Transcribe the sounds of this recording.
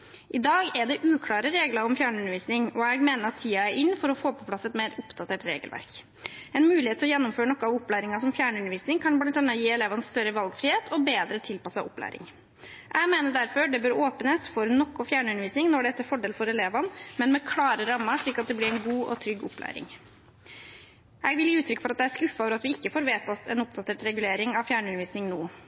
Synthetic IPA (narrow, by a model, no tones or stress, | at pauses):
ʔɪd̪ɑːɡɛɖɛʔʉːkʰlɑːɾəɾeːɡləɾɔmfjæːɳəʉnəɾʋiːsnɪŋɔɛɡmeːnəɾɑt̪ʰːiːɑæɾʔɪnːfɔɾɔfoːpʰɔpʰlɑsɛt̪meːɾʊpd̪̥ɑt̪ʰeːʈɾḛːɡəlʋæ̰ɾk | ɛnmʉːlɪhet̪ʰːlɔjɛnːʊmføːɾəɳɔkːəɑʋʊpːlæːɾɪŋɑsɔmfjæːɳʉnəɾʋiːsnɪŋkʰɑnblɑnt̪ɑnːəjiːɛleːʋɑnst̪œɾəʋɑlɡfɾɪheːt̪ʰɔbeːd̪ɾət̪ʰɪlpɑsɑ̰ʋʊplæ̰ːɾɪ̰ŋ | ʔæɪmeːnəɖæɾfɔɖɛbøːɾoːpənəsfɔɾnɔkːɔfjæːɳəʉnəɾʋiːsnɪŋnɔɖɛɛt̪ʰːəɾfɔɖeːlfɔɾɛleːʋɑnmɛnmɛkʰlɑːɾəɾɑmːəʂɭiːkɑt̪̚d̪ɛblɪɾɛnɡuːʔɔ̰t̪ʰɾʏɡʊplæ̰ːɾɪ̰ŋ | ʔɛɡʋɪljiːʉːt̪ʰɾʏkːfɔɾɑt̪̚d̪ɛæʂkʉfːəøːʋəɾɑt̪ʋɪɪkːəfoːɾʋeːt̪ɑt̪ɛnʊp̚d̪ɑt̪ʰeːʈɾɛɡʉleːɾɪŋɑʋfjæːɳəʉnəʋiːsnɪŋnoː